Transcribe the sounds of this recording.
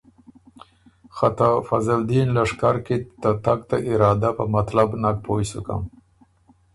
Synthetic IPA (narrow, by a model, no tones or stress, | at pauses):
xat̪afazald̪inlaʂkaɾket̪at̪ak̚t̪aʔɪɾɑd̪apəmat̪labnak̚pʰojsṵka̰m